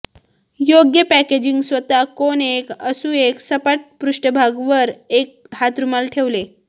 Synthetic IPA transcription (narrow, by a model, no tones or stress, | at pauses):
joɡjəpæked͡ʑiŋɡsʋət̪akonekəsuːeksəpaʈ̚pɾuʂʈəbʱaɡʋəɾek̚ɦat̪ɾumalʈʰeʋle